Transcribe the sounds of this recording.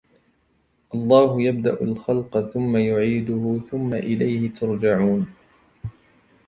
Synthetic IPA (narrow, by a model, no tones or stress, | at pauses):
ʔɑlˤːɑːɦʊjab̚d̪aʔʊlxɑlqɑθʊmːajʊʕiːd̪ʊhʊθʊmːaʔɪlajhɪt̪ʰʊɾˤd͡ʒaʕuːn